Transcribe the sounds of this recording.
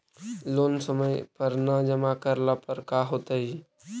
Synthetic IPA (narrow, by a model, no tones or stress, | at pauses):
loːnsəməjpəɾnəd͡ʒəmakəɾlapəɾkaːɦoːt̪aɦiː